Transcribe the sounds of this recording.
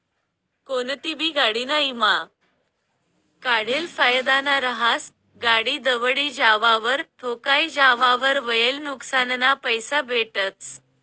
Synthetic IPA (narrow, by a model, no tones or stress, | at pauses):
kont̪ibʱiːɡaɽinaima | kaɽelfajd̪anaɾəɦas | ɡaɽiːd̪əʋɽid͡ʑaʋaʋəɾt̪ʰokaid͡ʑaʋaʋəɾʋəjelnuksannapəjsabʱeʈət͡s